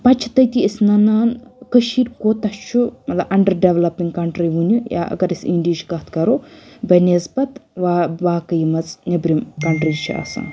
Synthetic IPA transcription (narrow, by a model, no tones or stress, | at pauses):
pɐt͡ʃʰt̪ɐjt̪iəsnɐnaːnkəʃiɾkoːt̪ɐt͡ʃʰumɐt̪lɐbɐɳɖɐɾɖeʋlɐpiŋɡkɐɳʈɾiʋunuja̰ʔɐ̰ɡɐɾisiɳɖiʃkɐt̪ʰkɐɾoːbɐnezpɐt̪ʋaʋaːkɐjimɐt͡snibɾimkɐɳʈɾid͡ʒt͡ʃʰiʔa̰ːsã̰ː